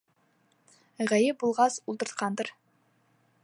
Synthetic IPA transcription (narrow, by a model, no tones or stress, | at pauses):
ʁæjɘp̚bulˠʁɑsulˠt̪ɤ̆ɾt̪̚qɑnd̪ɤɾ